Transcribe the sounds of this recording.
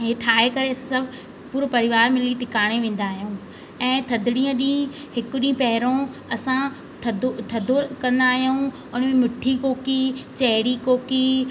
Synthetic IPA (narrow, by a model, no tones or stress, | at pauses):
ɦeʈʰaːekɐɾesɐbʱ | puːɾpɐɾɪʋaːɾmɪliʈɪkaːɽ̃eʋẽːn̆d̪aːɦijũː | ɛ̃ːt̪ʰɐd̪ɪɽĩːə̃ɗĩːɦɪkʊɗĩːpɐɦɪɾõɐsã | t̪ʰɐd̪ot̪ʰɐd̪ʱokɐ̃nd̪aːɦijuũ | ʊnmẽmɪʈʰikoːkit͡ɕɐɦɪɽikoːki